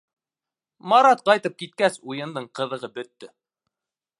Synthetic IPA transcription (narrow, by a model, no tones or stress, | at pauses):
mɑɾɑt̪̚qɑjt̪ɤp̚kit̪̚kæsujɤ̆nd̪ɤɴqɤ̆ðɤ̆ʁɤbɵ̆t̪ːɵ